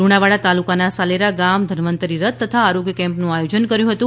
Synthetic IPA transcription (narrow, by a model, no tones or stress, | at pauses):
ɾuɽ̃aʋaɭat̪alukanasaleɾaɡamd̪ʱəɾmənt̪əɾiɾət̪̚ːət̪ʰaːɾoɡjəkɛ̃mpnũajod͡ʒənkəɾjũɦət̪ũ